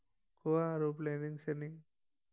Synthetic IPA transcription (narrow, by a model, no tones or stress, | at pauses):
kʰuʋaɾopleːniŋɡseniŋ